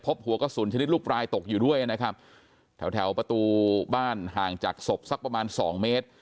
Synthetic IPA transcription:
pʰo˦˥p̚hu˨˩˦ɐkɔː˥˩suː˩˦nt͡ɕʰa˧ni˦˥t̪̚luː˥˩p̚ɾaː˧jt̪o˨˩k̚juː˨˩du˥˩əjʔa˨˩na˦˥kʰa˦˥p̚ | t̪ʰɛ˨˩˦wt̪ʰɛ˩˦wpɾa˧t̪uː˧baː˥˩nɦaː˨˩ŋt͡ɕaː˨˩k̚so˨˩p̚sa˦˥k̚pɾa˧maː˧nsɔː˩˦ŋmeː˦˥t̪̚

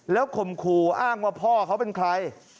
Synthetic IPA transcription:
lɛː˦˥wkʰo˨˩mkʰuː˨˩ʔaː˥˩ŋwaː˥˩pʰɔː˥˩kʰa˦˥wpe˧nkʰɾa˧j

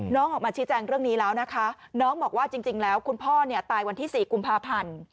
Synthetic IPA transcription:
nɔː˦˥ŋʔɔː˨˩k̚aː˧˩t͡ɕʰiː˦˥t͡ɕɛː˧ŋɾɯ˥˩əŋniː˦˥lɛː˦˥wna˦˥kʰa˦˥ | nɔː˦˥ŋbɔː˨˩k̚waː˥˩t͡ɕi˧ŋt͡ɕi˧ŋlɛː˦˥wkʰu˧npʰɔː˥˩ni˥˩t̪aː˧jwa˧nt̪ʰiː˥˩siː˨˩ku˧mpʰaː˧pʰa˧n

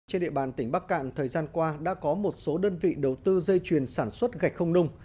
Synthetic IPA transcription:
t͡ɕe˧nɗḭ˧ə˨ɓaː˨˩nt̪ï˩ŋ̟ɓaː˦˥k̚ka̰ː˧˨nt̪ʰəː˨˩jzaː˧nkwaː˧ɗa̰ː˧˥kɔ˨˦mo˨˩t̚so˨˦ɗəː˧nvḭ˧˨ɗə˨˩wt̪ɨ˧zə˧jt͡ɕwi˨˩ənsaː˧˩nswə˦˥t̚ɣa˨˩jk̟̚xə˧wŋ͡mnʊ˧ŋ͡m

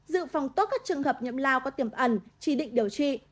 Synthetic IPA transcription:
zɨ̰˧˨fa˨˩wŋ͡mt̪o˦˥t̚kaː˦˥k̚t͡ɕɨ˨˩əŋhəː˨˩p̚ɲə̰˧˨mlaː˧wkɔ˨˦t̪i˧˩əmʔə˨˧˩nt͡ɕi˧˩ɗḭ˧˨ŋ̟ɗi˧˩əwt͡ɕḭ˧˨

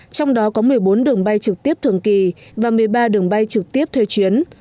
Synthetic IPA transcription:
t͡ɕɔ˧wŋ͡mɗɔ˨˦kɔ˨˦mɨ˨˩əjɓo˨˦nɗɨ˨˩əŋɓa˧jt͡ɕɨ˨˩k̚t̪i˦˥əp̚t̪ʰɨ˧˩əŋki˨˩vaː˨˩mɨ˨˩əjɓaː˧ɗɨ˨˩əŋɓa˧jt͡ɕɨ˨˩k̚t̪i˦˥əp̚t̪ʰwe˧t͡ɕwi˨˦ən

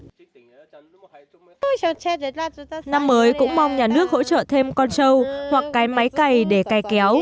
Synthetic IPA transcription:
na˧mːəː˨˦jkʊ̰˧˥ŋ͡mma˧wŋ͡mɲaː˨˩nɨ˦˥ək̚ho̰˧˥t͡ɕə̰ː˧˨t̪ʰe˧mkɔ˧nt͡ɕə˧whwa˨˩kːaː˨˦jma˨˦jka˨˩jɗe˧˩ka˨˩jkɛ˨˦w

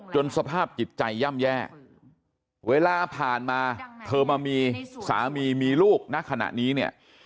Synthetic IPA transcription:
t͡ɕo˧nsa˧pʰaː˥˩p̚t͡ɕi˨˩t̪̚t͡ɕa˧jːa˥˩mjɛː˥˩ | weː˧laː˧pʰaː˨˩nmaː˧t̪ʰɤː˧maː˧miː˧sa̰ː˩˦miː˧miː˧luː˥˩k̚na˦˥˩kʰa˧na̰˨˩ʔniː˦˥ni˥˩ɐ

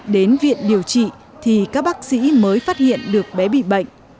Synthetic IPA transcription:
ɗe˨˦nvḭ˧˨ənɗi˨˩əwt͡ɕḭ˧˨ | t̪ʰi˨˩kaː˦˥k̚ɓaː˦˥k̚sḭ˧˥məː˨˦jfaː˦˥t̚hḭ˧˨ənɗɨ˨˩ək̚ɓɛ˨˦ɓḭ˧˨ɓə̰˧˨jŋ̟

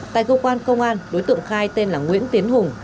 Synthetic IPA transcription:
t̪a̰ː˧˨jkəː˧kwaː˧nkə˧wŋ͡mʔaː˧nɗo˨˦jt̪ɨ̰˧˨ŋxaː˧jt̪e˧nlaː˨˩ŋwḭ˧˥ənt̪i˨˦ənhʊ˨˩ŋ

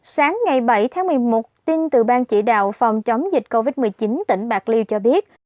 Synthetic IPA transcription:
saː˨˦ŋːa˨˩jɓə˧˩jt̪ʰaː˨˦ŋmɨ˨˩əjmo˨˩t̚t̪i˧nt̪ɨ˨˩ɓaː˧nt͡ɕḭ˧˩ɗa̰ː˧˨wfa˨˩wŋ͡mt͡ɕə˨˦wŋ͡mzï˨˩k̟̚ko˧vi˦˥t̚mɨ˨˩əjt͡ɕi˨˦nt̪ḭ˧˩ŋ̟ɓaː˨˩k̚li˧wt͡ɕɔ˧ɓi˦˥ət̚

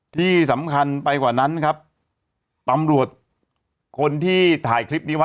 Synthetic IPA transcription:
t̪ʰiː˥˩sa˩˦mkʰa˧npa˧jkwaː˨˩na˦˥nkʰa˦˥p̚ | t̪a˧mɾu˨˩ət̪̚ | kʰo˧nt̪ʰiː˥˩t̪ʰaː˨˩˦jkʰɾi˦˥p̚niː˦˥w

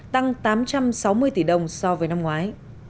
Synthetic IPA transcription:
t̪a˧ŋt̪aː˨˦mt͡ɕa˧msa˨˦wmɨ˧əjt̪i˧˩ɗə˨˩wŋ͡msɔ˧vəː˨˦jna˧mŋwaː˨˦j

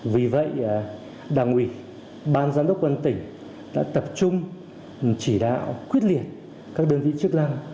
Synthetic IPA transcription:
vi˨˩və̰˧˨j | ɗaː˨˩ŋʔwi˧˩ | ɓaː˧nzaː˧nɗə˦˥k͡p̚kwə˧nt̪ï˧˩ŋ̟ | ɗa̰ː˧˥t̪ə˨˩p̚t͡ɕʊ˧ŋ͡m | t͡ɕi˧˩ɗa̰ː˧˨wkwi˦˥ət̚li˨˩ət̚ | kaː˦˥k̚ɗəː˧nvḭ˧˨t͡ɕɨ˦˥ək̚la˧ŋ

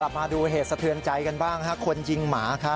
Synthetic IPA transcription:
la˨˩p̚maː˧duː˧ɦeː˨˩t̪̚sa˧t̪ʰɯ˧ənt͡ɕa˧jka˧nbaː˥˩ŋkʰa˦˥kʰo˧nt͡ɕi˧ŋmaː˩˦kʰa˦˥

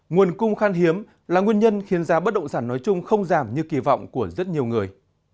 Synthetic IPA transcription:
ŋu˨˩ənkʊ˧ŋ͡mxaː˧nɦi˨˦əm | laː˨˩ŋwi˧ənɲə˧nxi˨˦ənzaː˧ɓə˦˥t̚ɗə̰˧˨wŋ͡msaː˧˩nːɔ˨˦jt͡ɕʊ˧ŋ͡mxə˧wŋ͡mzaː˧˩mɲɨ˧ki˧vɔ̰˧˨wŋ͡mku˧˩əzə˦˥t̚ɲi˨˩əwŋɨ˨˩əj

